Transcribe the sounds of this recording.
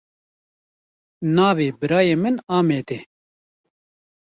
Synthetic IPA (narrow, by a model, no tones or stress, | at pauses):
nɑːveːbɨɾɑːjeːmɨnɑːmeːd̪eː